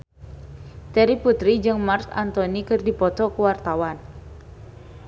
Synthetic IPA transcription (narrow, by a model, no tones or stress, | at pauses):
t̪ɛɾiput̪ɾid͡ʒɨŋmarsa̰nt̪ɔnikɨrdipɔt̪ɔkuwart̪awan